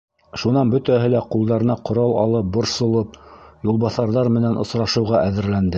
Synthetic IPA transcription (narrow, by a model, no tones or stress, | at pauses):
ʃunɑnbɵt̪æɦɘlæqulˠd̪ɑɾɤ̆nɑqŏɾɑlˠɑ̰lˠɤp̚bŏɾsŏlˠɤp̚julˠβɑθɑɾðɑɾmɘ̆nænŏsɾɑʃɤ̆wʁɑʔæðɘ̆ɾlænd̪ɘ